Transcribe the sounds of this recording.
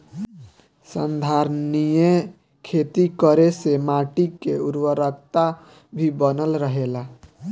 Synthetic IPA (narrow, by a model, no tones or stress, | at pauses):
sə̰nd̪ʱaɾnije | kʰet̪ikəɾesemaʈikeuɾwəɾəkt̪a | bʱibənəlɾəɦela